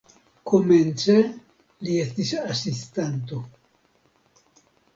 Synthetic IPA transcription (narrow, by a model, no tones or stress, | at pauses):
ko̞ment͡se | liest̪isasistant̬o̞